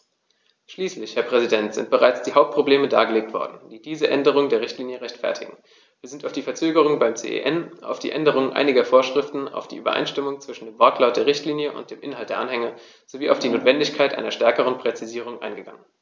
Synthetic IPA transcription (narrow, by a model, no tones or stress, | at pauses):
ʃliːslɪçhɛːɐpʁ̥ɛzidɛntz̥ɪ̰nt̚b̥əʁaɪt͡sd̥iːɦaʊp̚t̚pʁ̥obleːməda̰ːɡəleːk̚tv̥ɔ̰ɐdn̩d̥iːdiːzəʔɛndəʁ̞ʊŋdeːɐʁɪçtliːnjəʁɛçtfɛ̰ɐtʰɪ̰ɡŋ̩ | viːɐzɪntaʊfd̥iːfɛɐt͡søːɡəʁ̞ʊŋəbaɪmt͡sḛːʔḛːʔɛnʔa̰ʊfd̥ḭːʔɛndəʁ̞ʊŋənʔa̰ɪnɪɡɐfoːɐʃʁ̥ɪftn̩a̰ʊfd̥iːʔyːbɐ̰ʔa̰ɪnʃtɪmʊŋt͡sv̥ɪʃn̩deːmvɛɐklaʊt̚d̥eːɐʁɪçtliːnjəʔʊ̰ntd̥eːmʔɪnɦaltd̥eːɐʔanhɛŋə | z̥oviːʔaʊfd̥iːnoːtv̥ɛndɪçkʰaɪtʔa̰ɪnɐʃtɛɐkəʁ̞ənpʁ̥ɛt͡siziːʁ̞ʊŋʔa̰ɪnɡəɡaŋən